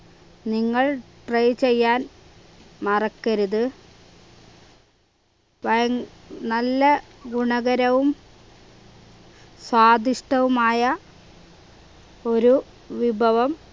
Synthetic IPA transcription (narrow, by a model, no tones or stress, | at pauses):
niŋːɐɭʈrɐjt͡ɕe̞jːaːn | mɐrɐkːɐɾuðɨ | ʋɐjŋnɐlːɐɡuɳɐɣɐɾɐʋum | swaːd̪ʱiʂʈɐʋumaːjɐ | o̞ɾu | ʋibʱɐʋɐm